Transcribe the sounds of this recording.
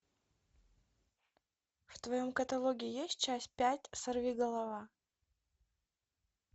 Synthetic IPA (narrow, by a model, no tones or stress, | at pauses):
ft̪vɐjo̞mkət̪ɐlˠoɡʲɪɪjesʲt̚ʲt͡ɕæsʲt̚ʲpʲætʲsɐrvʲiɡəlˠɐva